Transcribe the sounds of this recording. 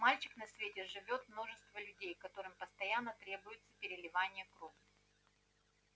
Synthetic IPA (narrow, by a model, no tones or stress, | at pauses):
malʲt͡ɕɪ̥knɐsʲvʲetʲɛʐɨvʲo̞t̪mno̞ʐɨst̪vəlʲʉdʲejkɐt̪o̞ɾɨmpəst̪ɐjanːət̪ɾʲebʊjɪt̪səpʲɪɾʲɪlʲɪvanʲɪjəkɾovɪ